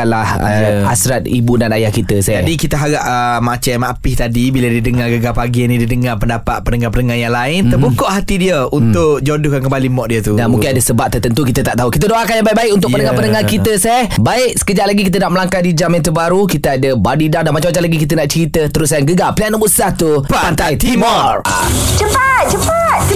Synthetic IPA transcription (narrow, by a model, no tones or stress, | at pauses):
lahə̰asɾat̪̚ḭbunanajahkit̪əsɛd͡ʒadikit̪əɦaɡaʔʔəmat͡ʃamapɪht̪adibiladidəŋaɡəɡapaɡinĩdidəŋarpəndapa̰t̪̚pənəŋapənəŋajaŋlaɪnt̪ərbukɔʔhat̪idiəunt̪ʊʔd͡ʒodukankəmbalimɔʔdiət̪udanmũɪnadasəbap̚t̪ərt̪ənt̪ukit̪ət̪aʔt̪aɦukit̪̬ədoakajaŋbaɪʔ̚baɪkunt̪ʊkpənəŋapənəŋahkit̪əsɛhbaɪk̚sə̥kəd͡ʒaʔlaɡikit̪̬ənaʔməlaŋkadid͡ʒamjant̪̬ubaɾukit̪əadəbadidardanmat͡ʃamat͡ʃalaɡikit̪ənaʔt͡ʃəɾit̪ət̪əɾʊsajaŋɡəɡapliaʔnəmusaht̪uppant̪ajt̪imɔrt͡ʃəpat̪̚t͡ʃəpat̪̚